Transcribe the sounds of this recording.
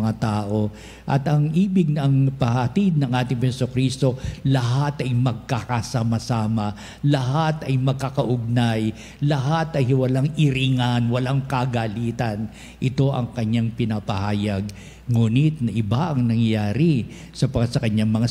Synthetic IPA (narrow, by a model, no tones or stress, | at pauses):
ŋat̪aːʔo̞ | ʔɐ̰t̪ɐŋʔiːbɪɡ̚nɐŋpɐht̪id̪̚nɐŋʔaːt̪ɪŋhɛsokɾist̪o̞lɐɦat̪ɐjmɐɡ̚kakɐsamɐsaːmɐ | lɐɦat̪ɐjmɐɡ̚kakɐʔʊɡ̚naj | lɐɦat̪ɐjhɪwɐlaŋʔɪɾiŋanwɐlaŋkaɡaliːt̪ɐn | ʔɪt̪o̞ʔɐ̰ŋkɐɲːaŋpɪnapɐhaːjɐɡ | ŋuːnɪt̪̚nɐʔɪbaʔɐŋnɐŋjaːɾɪ | sɐpɐkasɐkɐɲaŋmɐŋa